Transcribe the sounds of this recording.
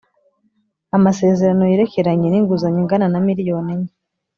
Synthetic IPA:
amase̞ːze̞ɾano̞jeɾe̞ce̞ɾaɲe̞niŋɡuzaɲeŋɡananamiɾijo̞ːneɲe

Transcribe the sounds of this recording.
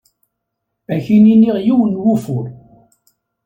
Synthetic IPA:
æçininiʁjiwənːwufʊɾ

